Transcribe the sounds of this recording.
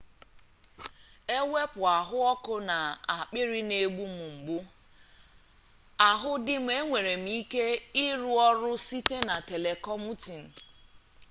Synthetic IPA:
e˦we˦pʊ˨a˨ɦʊ˦ɔ˦kʊ˦na˨a˨k͡pɪ˦ɾɪ˦ne˦ɡ͡bu˦m̩˨ŋ͡m̩˨ɡ͡bu˦ | a˨ɦʊ˦dɪ˦m̩˦e˦ŋʷe˨ɾe˨m̩˦i˦ke˦ɪ˦ɾu˦ɔ˦ɾʊ˦si˦te˦na˨te˨le˨kɔ˦mu˦ti˨n̩˨

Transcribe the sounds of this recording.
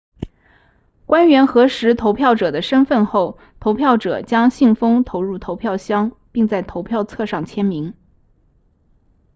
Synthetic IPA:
kwa˥nɥɛ˧˥nxɤ˧˥ʂɻ̩˧˥t̪ʰo˧˥ʊpʰjɑ˥˩ʊʈ͡ʂɤ˨˩d̪ə˦ʂə˥nfə˥˧nxo˥˩ʊ | t̪ʰo˧˥ʊpʰjɑ˥˩ʊʈ͡ʂɤ̰˨˩t͡ɕjɑ˥ŋɕi˥˩ŋfɤ˥ŋt̪ʰo˧˥ʊɻu˥˩t̪ʰo˧˥ʊpʰjɑ˥˩ʊɕjɑ˥ŋ | pi˥˧ŋt͡sa˥˩ɪt̪ʰo˧˥ʊpʰjɑ˥˧ʊt͡sʰɤ˥˧ʂɑ˥˩ŋt͡ɕʰjɛ˥nmi˧˥ŋ

